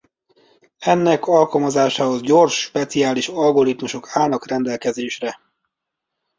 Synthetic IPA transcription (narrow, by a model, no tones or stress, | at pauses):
ɛnːɛkʰɒlkɒlmɒzaːʃaːho̞zɟo̞rʃːpɛt̪siaːliʃɒlɡo̞ɾit̪muʃo̞kʰaːlnɒkrɛnd̪ɛlkɛzeːʃrɛ